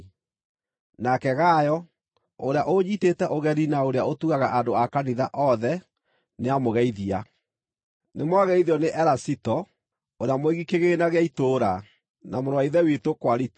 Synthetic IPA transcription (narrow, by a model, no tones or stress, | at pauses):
nakɛɣajɔ | oɾeaʔoɲitetɛʔoɣɛɾinaoɾeaotuɣaɣaʔandoakaniðaʔɔðɛ | neamoɣɛiðia | nemwaɣɛiðiɔneʔɛɾasitɔ | oɾeamoeɣikeɣenaɣeaitoːɾa | namoɾɔwaiðɛwitokwaɾit